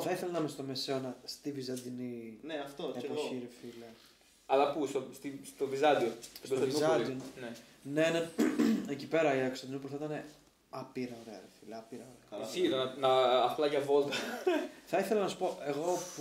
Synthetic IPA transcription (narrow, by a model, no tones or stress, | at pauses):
θɐiθelɐnɐmest̪omeseonɐst̪ivizɐnd̪inineɐft̪oepoçiɾifilɐ | ɐlɐpust̪ost̪ist̪ovizɐd̪iot̪obost̪vizɐd̪ionne | neneecipe̞ɾɐiekostɐd̪inip̬uθɐit̪ɐne̞ | ɐpiɾɐoɾeɐ̰ɾifilɐɐpiɾɐoɾesiðonɐnɐːplɐʝɐvolt̪ɐθɐiθelɐnɐsu̥po̞ʔe̞ɣo̞p